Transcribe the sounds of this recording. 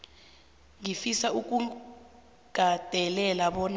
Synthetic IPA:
ŋifisauk̬ʼu | ɡ̥ʱad̥ʱɛlɛlaɓɔn

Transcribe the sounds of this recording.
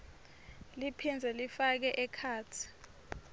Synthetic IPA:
lipʰind͡zʱɛlifak̬ɛʔɛkʰaːt͡sʰi̥

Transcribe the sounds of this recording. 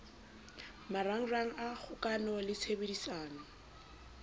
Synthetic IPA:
maraŋ̩raŋ̩ak͡xʰʊkʼanɔlɪt͡sʰebedisaːnɔ

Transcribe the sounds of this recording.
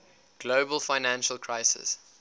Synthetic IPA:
ɡ̥loʊbəlˠfaɪnæ̃nʃəlˠkʰɹaɪsɪ̰s

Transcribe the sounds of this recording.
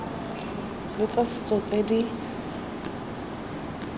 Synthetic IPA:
lɪt͡sʼasɪ̥t͡sʼɔt͡sʼedi

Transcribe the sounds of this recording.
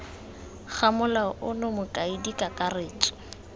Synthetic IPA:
χʰamʊlaʔʊnʊmʊkʼaidikʼakʼareːt͡ʃʼɪ̥

